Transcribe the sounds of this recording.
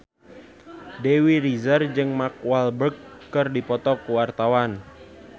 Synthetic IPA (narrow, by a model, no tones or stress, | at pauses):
dewirizərd͡ʒɨŋmak̚walbərkːɨrdipɔt̪ɔkuwart̪awan